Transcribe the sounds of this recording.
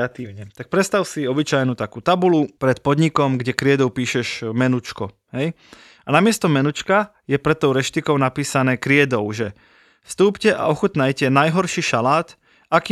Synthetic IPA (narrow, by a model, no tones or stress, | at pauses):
at̪iːʊɲɛt̪ak̚pɾɛt̪st̪aʊsiɔbit͡ʃajnut̪akuːt̪abulupɾɛt̪pɔd̪ɲikɔmɡɟɛkɾɪɛd̪ɔʊpiːʃɛʒmɛnut͡ʃkɔ | ɦɛj | anamɪɛst̪ɔmɛnut͡ʃka | jɛpɾɛt̪ːɔʊɾɛʃt̪ikɔʊnapiːsanɛːkɾɪɛd̪ɔʊʒɛ | fst̪uːpcɛʔa̰ɔxut̪najcɛnajɦɔɾʃiʃalaːt̪ | aki